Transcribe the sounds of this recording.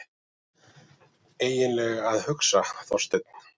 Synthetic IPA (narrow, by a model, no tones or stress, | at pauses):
eːjɪnlɛːɣaðhʏksaθɔwst̪ɪt̪̚n̥